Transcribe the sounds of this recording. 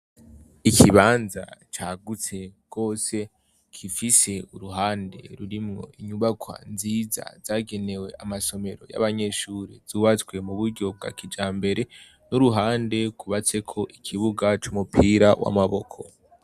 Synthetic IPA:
ikʰiβaːnza̰t͡ʃaːɡut͡se̞ɡ̥o̞ːse̞ | kʰifise̞uɾuɦaːnde̞̰ɾuɾimŋo̞̰iɲuβakʰwa̰nziːza̰z̥aːɡe̞ne̞we̞ʔamaso̞me̞ɾo̞ja̰βaɲe̞ʃuɾiz̥uβat͡swe̞muβuɾɟo̞b̚ɡa̰kid͡ʒaːmbe̞ɾe̞ | nuɾuɦaːnde̞kʰuβat͡se̞kʰo̞ʔikʰiβuɡat͡ʃumupʰiːɾawʔa̰maβo̞kʰo̞̰

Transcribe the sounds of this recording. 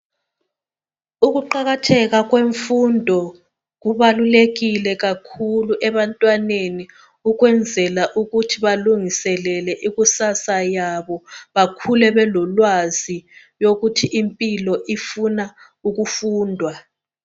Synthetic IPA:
uɣuǃaɣatʰɛɣaɣweɱfundʱɔ | ɣuβaluleɣilɛɣakʰuluʔɛβantʼwaneni | uɣwɛnd͡zʱɛlaʔuɣutʰiβaluŋisɛlɛlɛʔiɣusasajaβɔβakʰulɛβɛlɔlwazi | joɣutʰiʔimpʼilɔʔifuna | uɣufuːndʱwa

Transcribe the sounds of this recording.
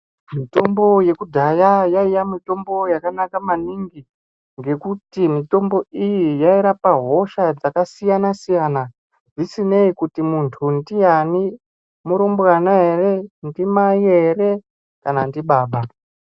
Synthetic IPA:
mito̞mbo̞je̞kudʱajajaijamito̞mbo̞jakanakamaniŋɡi | ŋɡe̞kutimito̞mbo̞ijijaiɾapaɦo̞ʃad͡zakasijanasijana | d͡zisine̞ikutimuntʰundijani | muɾombɣanaɦere̞ndimaiere̞ | kanandiɓaːɓa

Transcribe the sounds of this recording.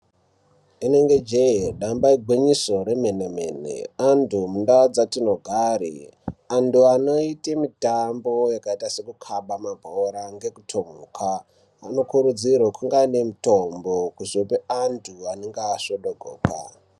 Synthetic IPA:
ine̞ŋɡed͡ʒejeɗambaiɡʱwiɲiso̞ɾe̞menemḛnḛandumundaod͡zatinoɡʱarḭanduano̞itemitambo̞jakaitase̞kukʰaɓamabʱoɾaŋɡe̞kutʰomuːkʰa | ano̞kuɾud͡zirwakuŋɡanemutombokuʐopeantʰuaneŋɡaːsoɗoɡʱoːka̰

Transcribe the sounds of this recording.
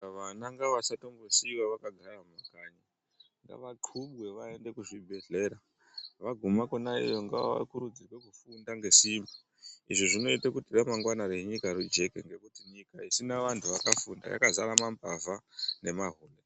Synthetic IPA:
ʋanaŋɡaʋasato̞mbosiwaʋakaɡʱaɾamakaɲa | ŋɡa̰ʋakʰuɓwe̞ʋae̞nde̞kuʐibʱe̞ɮe̞ɾa | ʋaɡʱumakonaḭjo̞ŋɡaa̰a̰kuɾud͡zirwe̞kufundaŋɡe̞simba | ḭʐiʐino̞itakutiramaŋɡwanaɾe̞ɲikaɾud͡ʒe̞kḛŋɡe̞kutiɲikaisinaʋantʰuʋakafunda̰ja̰kazaɾamambavane̞maɦuːle

